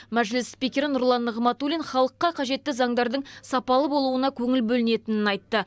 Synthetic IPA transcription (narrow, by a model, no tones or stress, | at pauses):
mæʒlɪsspikʲe̞ɾɪnʊɾlˠɑnːəʁmɑt̪ulʲinχɑlˠəqːɑqʰɑʒe̞t̪ːɪzɑŋd̪ɑɾd̪əɴsɑpɑlˠəbolˠuənɑkʲʰɵŋɪlbɵlɪne̞t̪ɪnɪnɑjt̪ːə